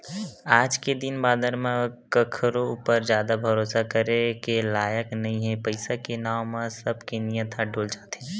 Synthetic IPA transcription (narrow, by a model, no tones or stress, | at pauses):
aːd͡ʒked̪ɪnbaːd̪əɾmẽkəkʰɾoupəɾzjaːd̪abʱɐɾoːsakəɾekelaːjəknɐɦĩɦɛpəɪsakenaːmãsəbkenijət̪ʰaɖoːld͡ʒaːt̪e